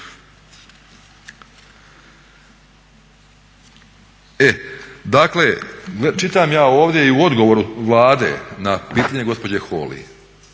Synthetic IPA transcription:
ed̪akleɡlet͡ʃit̪amjaːoːʋd̪jeiuo̞d̪ɡo̞ʋoːɾuʋlaːd̪ḛnapiːt̪aɲe̞ɡo̞spo̞d͡ʑexo̰ːlḭ

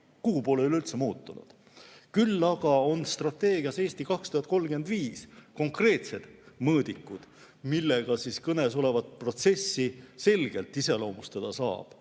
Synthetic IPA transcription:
kupoːleylylt̪semuːt̪ːˑunṵd̪̥ | kylːɑɡ̥ɑo̞nst̪rɑt̪ːe̞ːɡ̥iɑse̞ːsʲt̪ikɑkst̪uhɑt̪̚ˑko̞lɡ̥yend̪viːsko̞ŋkre̞ːt̪se̞d̪̥mɤːd̪̥ikːˑud̪̥ | milːeɡ̥ɑsiskɤne̞s̬o̞le̞vɑt̪̚pro̞t̪se̞sːise̞lɡ̥e̞lt̪ːˑise̞lo̞ːmust̪ɑd̪̥ɑsɑ̰ːb̥

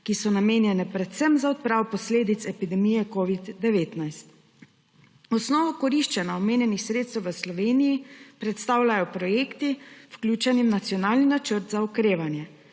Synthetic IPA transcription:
kisɔnameːnjɛnɛpɾɛt̪sɛmzaɔt̪̚pɾaːwpɔsleːd̪it̪sɛpid̪ɛmijɛkoːʋid̪ːɛʋeːt̪najst̪ | ɔsnɔːʋɔkɔɾiʃt͡ʃɛnaɔmeːnjɛnixsɾeːt̪st̪ɛwʋəslɔʋeːnijipɾɛt̪st̪aːwlʲajɔpɾɔjeːkt̪iwklʲuːt͡ʃɛnimnat̪sjɔnaːlninat͡ʃəɾt̪zaɔkɾeːʋanjɛ

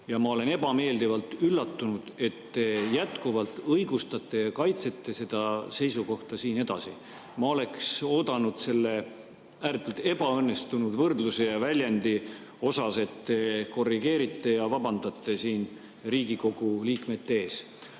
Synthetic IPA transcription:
jɑmɑo̞le̞ne̞bɑme̞ːld̪ivɑlt̪ylːɑt̪ːunud̪̥e̞t̪ːejæt̪kuvɑlt̪ːˑɤjɡ̥ust̪ɑt̪ːˑe̞jɑkɑjt̪se̞t̪ːe̞se̞d̪̥ɑse̞jsuko̞ht̪ɑsiːne̞d̪̥ɑsi | mɑo̞le̞kso̞ːd̪̥ɑnud̪̥se̞lːe̞ | æːɾt̪ːˑult̪e̞b̥ɑɤnːe̞st̪unud̪vɤrd̪luse̞jɑvælʲjend̪i | o̞sɑse̞t̪ːeko̞rːiɡ̥e̞ːɾit̪ːe̞jɑvɑbɑnd̪̥ɑt̪ːˑe̞siːn | riːɡ̥iko̞ɡ̥uliːkme̞t̪ːeeːs

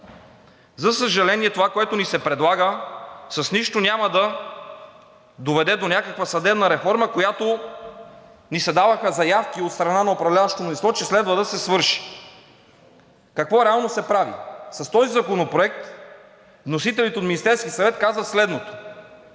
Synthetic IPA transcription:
zɐsəʒɐlɛniɛt̪ovakoɛt̪onisɛpɾɛd̪lˠaɡəsɐsniʃt̪onʲaməd̪ɐ | d̪ovɛd̪ɛd̪onʲakəkvəsɐd̪ɛbnɐɾɛfɔɾməkojat̪o | nisɛd̪avɐxəzɐjafk̟iot̪st̪ɾɐnanɐopɾɐvlʲavəʃt̪onnislˠɔt͡ʃɛslɛd̪vəd̪ɐsɛsvɤɾʃi̥ | kɐkvɔɾɛalˠnosɛpɾavḭsɐst̪ɔzizɐkonopɾoɛk̚t̪ | vnosit̪ɛlit̪ɛot̪minist̪ɛɾskʲisɐvɛt̪kazvət̪slɛd̪not̪o̥

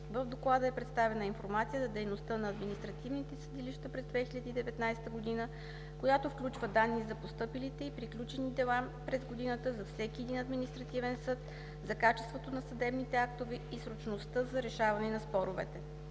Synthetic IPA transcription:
vəvd̪oklˠad̪əɛpɾɛt̪st̪avɛnəinfoɾmat̪sijəzɐd̪ɛjnost̪ɤnɐːd̪minist̪ɾɐt̪ivnit̪ɛsəd̪iliʃt̪əpɾɛzd̪vɛxilʲəd̪iːd̪ɛvɛt̪najsɛ̥t̪əɡod̪inə | kojat̪ofklʲut͡ʃvəd̪anːizɐpost̪ɤpilit̪ɛipɾiklʲut͡ʃɛnid̪ɛlˠa | pɾɛzɡod̪inət̪əzɐfsɛk̟iɛd̪inɐd̪minist̪ɾɐt̪ivɛnsɤt̪ | zɐkat͡ʃɛst̪vot̪onɐsɐd̪ɛbnit̪ɛakt̪ovɛisɾot͡ʃnost̪ɤzɐɾɛʃavɐnɛnɐspɔɾovɛ̰t̪ɛ

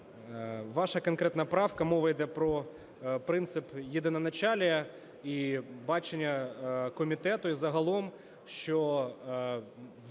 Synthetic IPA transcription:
ʋɑʃɐkɐnkɾɛt̪nɐpɾɑwkɐmɔʋɐjd̪ɛpɾɔ | pɾɪnt̪sɪpjid̪ɪnɐnɐt͡ʃalʲɐ | ibɑt͡ʃenʲːɐkɔmʲit̪ɛt̪ʊizɐɦɐlˠɔm | ʃt͡ʃɔ

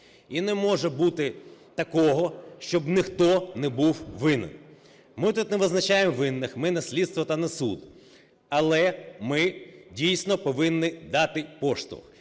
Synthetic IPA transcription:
inɛmɔʒɛbut̪ɪt̪ɐkɔɦɔʃt͡ʃɔbnɪxt̪ɔnɛbuwʋɪnɪ̰n | mɪt̪ut̪nɛʋɪznɐt͡ʃajemʋɪnːɪxmɪnɐsʲlʲid̪st̪ʋɔt̪ɐnɐsṵd̪ | ɐlˠɛmɪdʲijsʲnɔpɔʋɪnːɪd̪ɑt̪ɪpɔʃt̪ɔ̰x

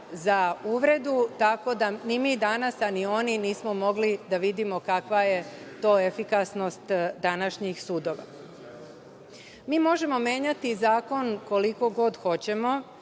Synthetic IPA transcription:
zauʋɾe̞d̪ut̪ako̞d̪animid̪anasanio̞niniːsmo̞mo̞ɡlid̪aʋid̪imo̞kakʋaje̞t̪o̞ːefikasno̞st̪d̪anaʃɲixsuːd̪o̞ʋa̰ | miːmo̞ʒe̞mo̞me̞ːɲat̪izaːko̞nko̞liko̞ɡo̞d̪xo̞t͡ɕe̞mo̞

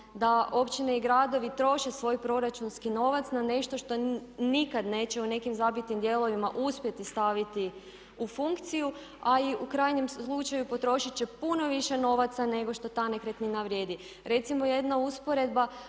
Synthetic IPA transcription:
d̪aʔo̞pt͡ɕineiɡɾad̪o̞ʋit̪ɾo̞ʃe̞sʋo̞ːjpɾo̞ɾat͡ʃunskino̞ʋat̪snane̞ʃt̪o̞ʃt̪o̞nikad̪ne̞ːt͡ɕe̞une̞kimzabit̪nimd̪je̞lˠo̞ʋimaʔuspʲje̞t̪ist̪aʋit̪i | ufuŋkt̪siju | aiukɾaːjɲe̞mlˠut͡ʃajupo̞t̪ɾo̞ʃit͡ɕe̞puno̞ʋiʃe̞no̞ʋat̪sane̞ɡo̞ʃt̪o̞t̪anekɾet̪ninaʋɾje̞ːd̪i | ɾe̞t̪simo̞jed̪nauspo̞ɾe̞d̪ba

